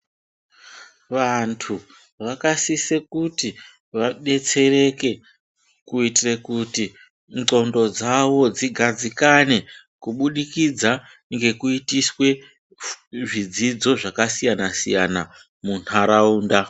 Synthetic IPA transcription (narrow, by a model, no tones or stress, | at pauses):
ʋantʰu | ʋakasise̞kuti | ʋaɗe̞t͡se̞re̞ke̞ | kuitire̞kuti | ǀo̞ndo̞d͡zawo̞d͡ziɡʱad͡zikane̞ | kuɓuɗikid͡za | ŋɡe̞kuitiswe̞ | ʐid͡zid͡zo̞ʐakasijanasḭjana | mun̥aɾauːnda